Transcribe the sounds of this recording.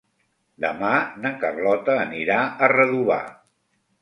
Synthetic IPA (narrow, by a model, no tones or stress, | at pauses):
d̪əmanəkəβlɔt̪əːniɾaərəðuβa̰